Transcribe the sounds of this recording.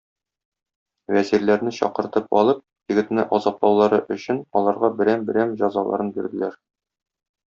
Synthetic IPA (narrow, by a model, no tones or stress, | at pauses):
wæziɾlæɾnɘɕɒ̰qɤ̆ɾt̪ɤp̚ɒ̰lˠɤp̚ | jɘ̆ɡɘ̆t̪nɘʔɒzɑplˠɑwlˠɑɾɤʔɵ̆ɕɘnɒlˠɑɾʁɑbɘ̆ɾæmbɘ̆ɾæmʑɒzɑlˠɑ̰ɾɤnbiɾd̪ɘ̆læɾ